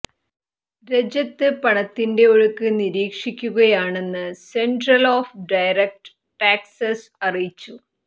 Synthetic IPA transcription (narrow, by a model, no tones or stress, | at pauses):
ɾe̞d͡ʑɐt̪ːɨpɐɳɐt̪ːinde̞oɻukːɨniɾiːkʂikʲːuɣɐjaːɳe̞nːɨseɳɖrɐloːfɖɐjɾek̚ʈ | ʈaːksɐsɐrijit͡ɕːu